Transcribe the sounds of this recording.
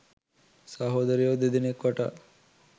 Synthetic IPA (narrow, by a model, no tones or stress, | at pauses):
sɐɦod̪ɐɾijod̪id̪inekʋɐʈa̰